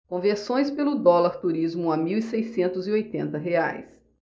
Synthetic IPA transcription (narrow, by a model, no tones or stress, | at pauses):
kõveɾsõj̃spelʊd̪ɔlaɾt̪uɾizmʊamiwisejsẽnt̪ʊziojt̪ẽnt̪ɐɦea̰js